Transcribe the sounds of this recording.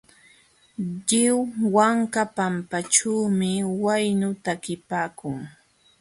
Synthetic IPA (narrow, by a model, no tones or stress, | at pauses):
ʎɪwwaŋkapampat͡ʃuːmɪwajnʊt̪akɪpaːkʊŋ